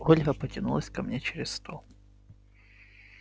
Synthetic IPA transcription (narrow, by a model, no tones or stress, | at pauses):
olʲɣɐpətʲɪnulˠəsʲkɐmnʲet͡ɕɪɾʲɪsst̪ʰolˠ